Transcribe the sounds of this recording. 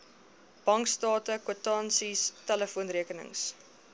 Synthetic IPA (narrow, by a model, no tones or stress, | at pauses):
b̥ɐŋkstɑːtəkutɑːnsistæləfuənriəkənə̰ŋs